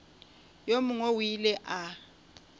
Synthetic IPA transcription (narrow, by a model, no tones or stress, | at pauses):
jomuŋowilɛʔa